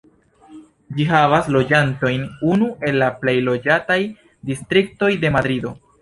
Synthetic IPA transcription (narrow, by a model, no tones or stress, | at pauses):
d͡ʒiɦavaslo̞d͡ʒanto̞jnunue̞lːaple̞jlo̞d͡ʒataj | distɾik̚to̞jde̞madɾido̞